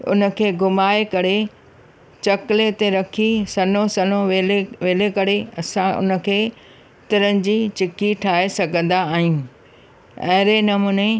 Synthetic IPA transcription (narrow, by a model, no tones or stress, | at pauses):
ʊ̰nə̆kʰeːɡʊmaːekɐɾe | t͡ɕɐkɪlet̪eɾɐkʰisɐnosɐnõelʋeːlekɐɾeɐsãʔʊ̰nə̆kʰeː | t̪ɪɾənɪ̆d͡ʑit͡ɕɪkiʈʰaːesɐɡʱə̃nd̪aːɦiũː | ɐɦɾenɐmuːne